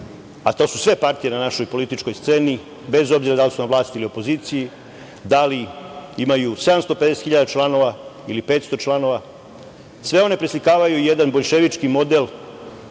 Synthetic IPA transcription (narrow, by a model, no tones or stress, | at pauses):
at̪o̞ːsusʋe̞paɾt̪ije̞nanaʃo̞jpo̞lit̪it͡ʃkojst̪se̞ːni | be̞zo̞bziɾad̪alisunamʋlˠaːst̪iliopo̞ziːt̪siji | d̪aliimajuse̞d̪amst̪o̞pe̞d̪eset̪xiʎad̪at͡ʃlˠano̞ʋailipe̞ːt̪st̪o̞t͡ʃlˠano̞ʋa | sʋe̞o̞ne̞pɾislikaːʋajuije̞d̪anbo̞ʎʃeʋit͡ʃkimo̞d̪e̞l